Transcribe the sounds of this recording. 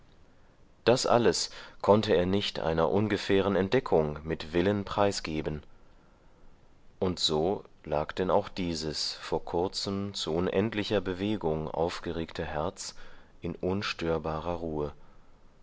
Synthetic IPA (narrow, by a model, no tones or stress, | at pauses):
d̥asʔa̰ləskʰɔntəeːɐnɪçtʔa̰ɪnɐ̰ʔʊnɡəfɛːʁ̞ənɛnt̚d̥ɛkʰʊŋmɪtv̥ɪlənpʁ̥aɪsɡ̥eːbən | ʔʊntz̥oːlaːkd̥ɛna̰ʊxd̥iːzəsfoːɐkʰʊɐt͡səmt͡suʔʊnʔɛntlɪçɐbəveːɡʊŋʔa̰ʊfɡ̥əʁeːktʰəɦɛɐt͡sʔɪnʔʊnʃtøːɐbaːʁɐʁuːə